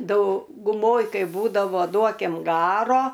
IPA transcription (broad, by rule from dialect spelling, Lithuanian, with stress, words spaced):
dɐʊɡʊˈmoːj ˈkɐɪ ˈbuːdɐʋoː ˈduɔkʲɪm ˈɡɑːroː